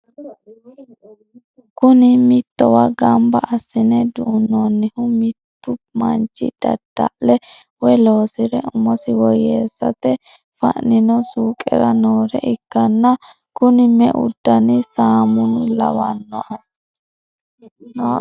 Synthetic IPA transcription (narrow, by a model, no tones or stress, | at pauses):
kʊnɪmɪt̪ːɔwɐɡɐmbɐ̰ɐsːɪnɛd̪ʊʔːnːɔnːɪhʊmɪt̪ːʊmɐnt͡ʃːɪ̰d̪̥ɐ̰d̪̥ːɐ̰ʔlɛ | wɛlo̞ːsɪɾɛʊmɔsɪwɔjeːsːɐ̰t̪ɛ | fɐ̰ʔnɪnɔsuːkʼɛ̰ɾɐnoːɾɛ̰ʔɪkːɐnːɐ | kʊnɪmɛ̰ʔʊ̰d̪ːɐnɪsaːmʊnʊlɐ̰wɐnːɔʔɐ